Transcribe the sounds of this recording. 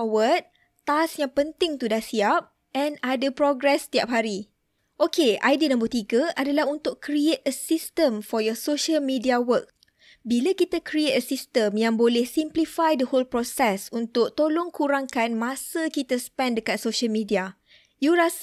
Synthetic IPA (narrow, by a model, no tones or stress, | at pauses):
wət̪̚ | t̪asjãŋpənt̪ɪŋt̪udahsiap̚ | ɛ̃nadapɾɔɡɾɛst̪iap̚ɦaɾi | ʔokeajdinãmbət̪iɡəadalaɦunt̪ʊkkɾiet̚əsist̪ə̃mfɔjɔsoʃəlmĩdiawək̚ | bilakit̪akɾiet̚əsist̪ə̃mjãŋbolɛhsimplifajdəholpɾɔsɛsunt̪ʊk̚t̪olɔŋkuɾaŋkanmãsəkit̪aspɛ̃ndəkat̪̚soʃəlmĩdia | juɾas